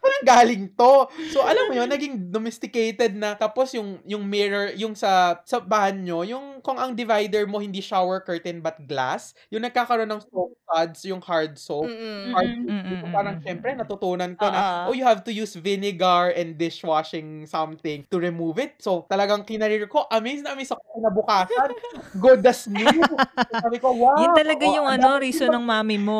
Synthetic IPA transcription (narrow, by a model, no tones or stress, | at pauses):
paːɾɐŋɡaːlɪŋt̪osoʔɐlɐmːʊjonːɐɡɪŋd̪omɛst̪ɪkejt̪ɛd̪̚nɐt̪aːposjʊŋjʊŋmɪɹɐɹjʊŋsɐsɐbahɐnɲojʊŋkʊŋɐŋd̪ɪvajd̪ɛɹmo̞hɪnd̪iːʃawɛɹkɜːɹt̪ɛnbɐt̪̚ɡla̰s | jʊŋnɐɡ̚kaːkɐɾo̞nːɐŋst̪op̚kad̪sjʊŋhaɹd̪sophaɹd̪soukopaːɾɐŋʃɛmpɾɛnɐt̪ʊt̪uːnɐnkonɐʔojʊhavt̪ʊjuːsvɪnɪɡɐɹʔɛ̃nd̪d̪ɪʃwaʃɪŋsɐmθɪ̃ŋt̪ʊɹɪmuːvɪt̪̚sowt̪ɐlɐɡaŋkɪnɐɾiɹko̞ʔɐmesnɐmisɐkoɪnɐbʊkaːsɐnɡʊd̪ɐsnu | aːbɪkowaɐlɐɡajʊŋɐnoɾiːsonɐŋmaːmɪmo